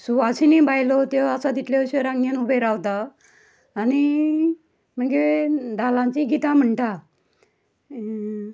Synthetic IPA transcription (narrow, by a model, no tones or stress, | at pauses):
suʋaɕinibajlɔt̪easad̪ʱit̪leɕeɾãŋɡjenubeɾaʋt̪aː | ñi | m̤əɡed̪ʱalãɲt͡ɕiɡit̪am̤əɳʈa